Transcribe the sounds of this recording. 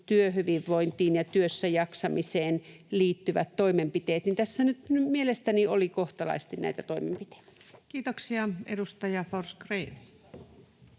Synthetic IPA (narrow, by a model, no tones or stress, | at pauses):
t̪yøhyʋiʋʋːoint̪iːnjɑt̪yøsːæjɑksɑmiseːnliːt̪ːyʋæ̰t̪toimempit̪eːt̪nint̪æsːænyt̪nymielest̪æniolikoht̪ɑlɑ̰ist̪innæ̰it̪æt̪oimempit̪e̥i̥t̪æ̥kiːt̪oksiɑḛdust̪ɑjɑforskreːn